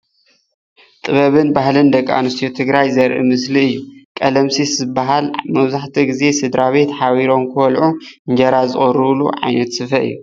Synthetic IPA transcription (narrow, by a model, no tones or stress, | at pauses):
t̪ʼɨβɐβɨnbahlɨnd̪ɐkʼːa̰nust̪ʰjot̪ʰɨɡɾajzɐɾʔḭmɨsliɨjːukʼɐlɐmsiszɨbːaɦalmɐβzaħt̪ʰiɡize̞sɨd̪ɾaβe̞t̪ħawiɾo̞mkʰɨwɐlʕuɨɲd͡ʒɐɾazɨ̰χʼɨɾɨβlṵʕa̰jnɐt̪sɨfɐʔɨ̰jːu